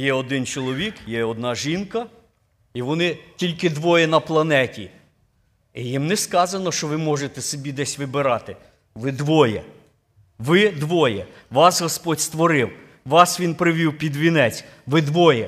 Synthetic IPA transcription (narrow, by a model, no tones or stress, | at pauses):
jɛɔd̪ɪnt͡ʃɔlˠɔʋʲikjɛɔd̪̚nɑʒinkɐ | iʋɔnɪtʲilʲkɪd̪ʋɔjɛnɐplˠɐnɛtʲi | ijimnɛskɑzɐnɔʃt͡ʃɔʋɪmɔʒet̪ɛsɔbʲid̪ɛsʲʋɪbɪɾɑt̪ɪ | ʋɪd̪ʋɔjɛ̰ | ʋɪd̪ʋɔjɛ | ʋɑsɦɔspɔdʲst̪ʋɔɾɪw | ʋɑsʋʲinpɾɪʋʲiwpʲid̪ʋʲinɛt͡sʲ | ʋɪd̪ʋɔjɛ